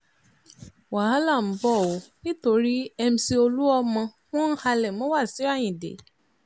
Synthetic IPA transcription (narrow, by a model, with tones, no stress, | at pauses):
wa˨a˦la˦˨m̩˨˦bɔ˦˨o˨˦nĩ˦to˧ɾi˦ɛ˧mĩ˧si˧o˧lu˦ɔ˧mɔ̃˧ | w̃ɔ̃˦n̩˦ha˧lɛ˨mɔ̃˨˦wa˦˨si˨˦a˦˨j̃ĩ˨dḛ˨˦